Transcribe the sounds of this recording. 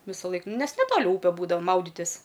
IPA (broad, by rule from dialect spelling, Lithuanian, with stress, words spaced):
ʋʲɪsɐˈlˠɐɪk ˈnʲɛs nʲɛˈtoːlʲɪ ˈuːpʲɛ ˈbuːdɐʊ ˈmɐʊdʲɪtʲɪs